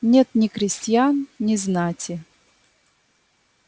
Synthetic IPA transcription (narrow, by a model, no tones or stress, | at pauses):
nʲet̪nʲɪkɾʲɪsʲtʲjannʲɪznatʲɪ